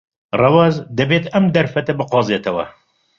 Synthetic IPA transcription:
rɐwɑːzd̪ɐbeːt̪ɐmd̪ɐɾfɐt̪ɐbɨqɑːzeːt̪ʰɐwɐ̰

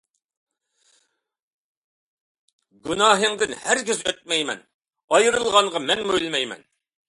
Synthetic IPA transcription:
ɡunɑːɦɨŋd̪ɪnhæɾkʲɪzøt̪̚mɛjmɛ̰n | ɑjɨɾɨlˠlˠʁɑŋʁɑmɛnmojlˠɨmɛjmɛ̰n

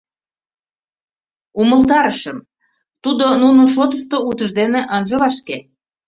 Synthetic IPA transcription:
uməlt̪ɑɾəʃəm | t̪ud̪onunoʃ̬ot̪əʃt̪out̪əʒd̪eneʔənʒəβɑʃke

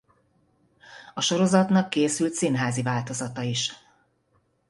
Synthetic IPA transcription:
ɒʃo̞ɾo̞zɒt̪nɒkːeːsylt̪sinɦaːzivaːlt̪o̞zɒt̪ɒiʃ

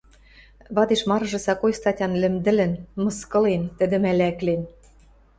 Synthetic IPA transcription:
βɑd̪eʃmɑɾɤ̆ʒɤ̆sɑkojst̪ɑtʲɑnlɘ̆md̪ɘ̆lɘ̆nmɤ̆skɤ̆lent̪ɘ̆d̪ɘ̆mælæklen

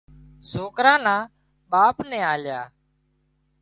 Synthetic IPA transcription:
soːkɾãːnãː | ɓaːpnɛ̃ːaːlja̰ː

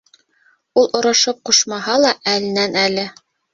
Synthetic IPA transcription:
ulˠʔŏɾɑʃɤp̚quʃmɑɦɑlˠɑʔælɘ̆nænælɘ

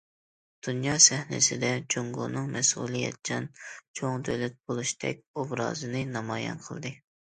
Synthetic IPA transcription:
d̪̥unjɑːsɛhnɪ̰sɪd̪ɛd͡ʒoŋɡṵnɨŋmɛsṵlˠɨjɛ̰t̪̚t͡ʃʰɑnt͡ʃʰoŋd̪ølɛt̪̚bolˠuʃt̪ʰɛ̰k̚ʲovɾɑ̰ːzɨnɨnɑmɑːjɑ̰nqʰəlˠd̪ɨ

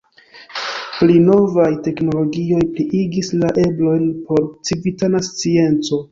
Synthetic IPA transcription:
plino̞vajte̞kno̞lo̞ɡio̞jpliʔiɡislaʔe̞blo̞jnpo̞ɾt͡sivitanast͡sie̞nt͡so̞

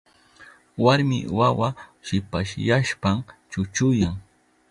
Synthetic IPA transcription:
waɾmɪ̰wawaʃɪpaʃjaʃpamt͡ʃʊt͡ʃʊjaŋ

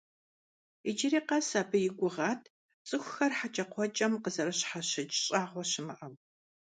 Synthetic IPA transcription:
ɪd͡ʒɪɾiːqɐsaːbɨjɪɡʷʼʊʁɑːtʰ | t͡sʼɨxʷxɐrħat͡ʃʼɐqʷʰɔt͡ʃʼɐmqəzɐɾɐɕħaɕɪt͡ʃʼɕʼaːʁʷɔɕɪmɨʔɐm

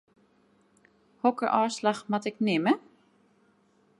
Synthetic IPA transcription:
hɔkəʔɔːslaxmatɪknɪmə

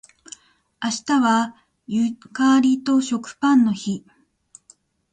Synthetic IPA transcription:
aɕi̥t̪aβa | jɯkaːɾʲit̪o̞ɕo̞kɯ̟̥pãnːo̞çi

